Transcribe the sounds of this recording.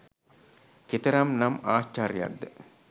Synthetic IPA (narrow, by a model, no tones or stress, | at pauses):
ket̪əɾamnamaːʃt͡ʃaːɾija̰k̚d̪ə